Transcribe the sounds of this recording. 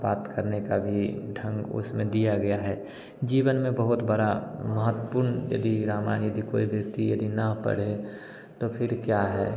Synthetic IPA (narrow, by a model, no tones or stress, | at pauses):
baːt̪kəɾnekabʱiɖʱə̃ŋɡʊ̰smẽd̪ijaɡɐjaɦɛː | d͡ʒiːʋənmẽbəɦʊt̪bəɽaməɦət̪ːəpuːɾnjɐ̰d̪iɾaːmaːɪnjɐd̪ikoːibjəkt̪ijɐd̪inapə̰ɽ̤e | t̪opʰɪɾkjaɦɛ̰ː